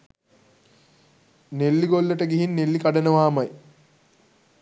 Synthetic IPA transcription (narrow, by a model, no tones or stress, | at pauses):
nelːiɡolːəʈəɡiɦinːelːikaɖənəʋaːmɐj